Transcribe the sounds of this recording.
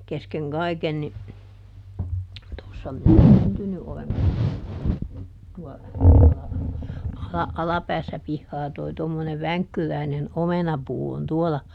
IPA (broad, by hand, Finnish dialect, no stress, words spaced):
keskeŋ kɑiken ni tosːɑ minæ syntyny olen tosːɑ tuolɑ ɑlɑ ɑlɑpæːsːæ pihːɑː toi tomːoneʋ ʋæŋkːyræinen omenɑpuː on tuolɑ